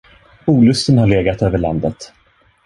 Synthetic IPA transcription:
uːlɵst̪ənhaɭeːɡat̪øːvəɭa̰nd̪ət̪

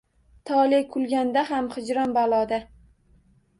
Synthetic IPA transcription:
t̪ʰɒlɪkʰʊlɡʲand̪aɦamhɪd͡ʒɾɒnbalˠɒd̪a

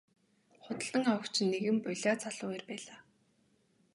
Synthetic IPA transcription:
χʊt̪ə̆ɮə̆ŋχawə̆kt͡ɕʰɪ̆nːeɣɘ̆mpʊɮʲaːt͡sʰaɮʊːeːrpæːɮaː

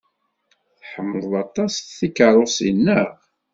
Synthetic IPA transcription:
θħəmːəðˤɑt̪ˤɑsθikəɾˤosḭnːəʁ

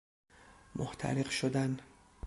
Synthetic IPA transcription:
mʔoht̪ʰæ̰ɾeqʃod̪æn

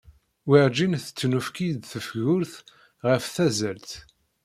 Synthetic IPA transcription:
wiʕd͡ʒinθə̥t͡sːnufkid̪θəfʝʊɾθ | ʁəfθæzælt̪

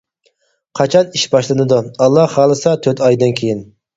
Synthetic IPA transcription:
qʰɑt͡ʃʰɑniʃbɑʃlˠɨnɨd̪uɑlˠːɑhɑːlˠɨsɑt̪ʰøt̪ʰɑjd̪ɨnkʲʰejin

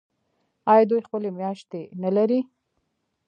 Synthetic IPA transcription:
ɑjɑd̪ujxpəlemjɑʃt̪enalaɾi

